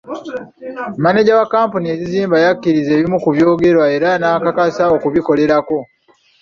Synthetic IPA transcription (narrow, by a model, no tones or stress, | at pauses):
mane̞ɟawakaːmpunie̞ziziːmbajakːiɾize̞ːβimukuβjo̞ːɡe̞ɾwae̞ɾanaːkakasao̞kuβiko̞le̞ɾako̞